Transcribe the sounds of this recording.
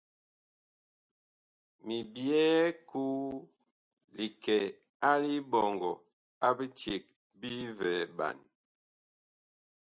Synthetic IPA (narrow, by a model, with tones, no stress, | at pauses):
mi˨bjɛ˦ku˦ | li˨kɛ˨ | a˦li˦bɔ˨ŋɡɔ˨ | a˦bi˦t͡ʃje˨k̚ | bi˦vɛ˨ba̰˨n